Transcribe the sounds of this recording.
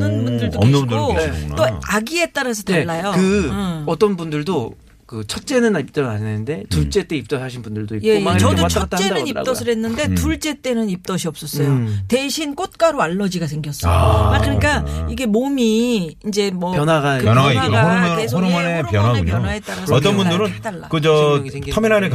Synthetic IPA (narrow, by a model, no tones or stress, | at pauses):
nɯnbundɯɭdoot͈oaɡie̞t͈aɾasʰʌteeɭːajokɯʌt͈ʌnbundɯɭdo | kɯt͡ɕʰʌt̚t͡ɕ͈e̞nɯnip̚t͈ɯnannenɯnde̞tuɭt͡ɕ͈e̞t͈eip̚t͈ʌaɕʰinbundɯɭdoipjeoat͡ɕʌdott͡ɕʰʌat͈ʰat͡ɕ͈edanɯnip͈ʌsʰɯɾɦe̞nːɯnde̞tuɭt͡ɕ͈e̞t͈e̞nɯnip̚t͈ʌɕʰiʌp̚s͈ʌs͈ʌjote̞ɕʰink͈ot̚k͈aɾoaɭːʌd͡ʑiɡas̬ʰe̞ŋɡjʌs͈ʌ̰jmak͈ɯɲik͈aiɡe̞momiind͡ʑe̞mʌpjʌnwaɡaɯaaɾesʰoɾmʌnepjʌnanepjʌnwaɦet͈aɾaʌt͈ʌnbundɯɾɯndaɭːakɯt͡ɕʌɡsʰeŋtʰameɾanɯɭk